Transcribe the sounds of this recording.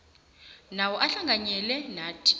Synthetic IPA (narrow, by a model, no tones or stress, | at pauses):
nawɔʔaɬaŋɡʱaɲɛlɛnaːtʰi̥